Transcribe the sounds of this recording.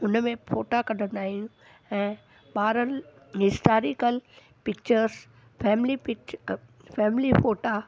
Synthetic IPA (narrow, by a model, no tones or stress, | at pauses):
ʊnmẽfoːʈakɐɖ̤ʱən̆aːɦĩjũ | ɛ̃ː | ɓaːɾən | ɦɪsʈaːɾɪkəl | pɪk̚t͡ɕəɾs | fɛːmɪlipɪk | fɛːmlifoːʈa